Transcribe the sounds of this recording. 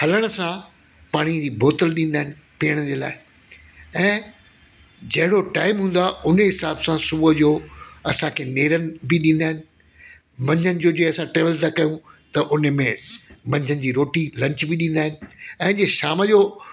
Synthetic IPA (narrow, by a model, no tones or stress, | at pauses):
hɐləɽ̃əsã | paːɽ̃id͡ʑiːbʱoːt̪əlɗĩnd̪aːɦɪ̃nɪ̆ | piːəɽ̃əd͡ʑeːla̰ːɪ | ɛ̃ː | d͡ʑɐɦɪɽoʈaːɪmɦũːn̆d̪aʊnəɦɪsaːbsãsʊbəd͡ʑoːɐsãkʰeːneːɾənɪ̆bɪɗĩːnd̪aːɦɪnɪ̆ | mɐ̃ɲd͡ʑʱənɪ̆d͡ʑoːd͡ʑeːɐsãʈeːʋəlt̪ʰakɐjũt̪ɐʔʊnə̆mẽmɐ̃ɲd͡ʑʱənɪ̆d͡ʑiːɾoːʈilɐ̃ɲt͡ɕbɪɗĩːnd̪aːɦɪnɪ̆ɛ̃ːd͡ʑeːʃaːməd͡ʑoː